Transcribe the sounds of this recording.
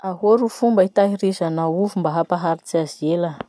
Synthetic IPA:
aɦoɾufumbəit̪aɦiɾizanauvumbaɦapaɦaɾit͡siazielə

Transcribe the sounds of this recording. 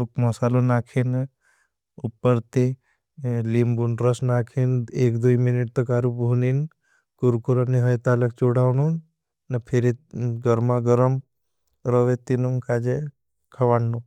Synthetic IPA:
ukmɐsaːlonaːkʰen | upːəɾt̪e | limbunɾəsnaːkʰeneːkd̪uiminiʈ̚t̪ɔkaːɾupbʱunin | kuɾkuɾanːiɦəjt̪aːlɐkt͡ʃoɽawnun | nɐpʰeɾeɡəɾmaɡəɾəm | ɾɔʋet̪inumkaːd͡ʒe | kʰɐʋaːɳɖu

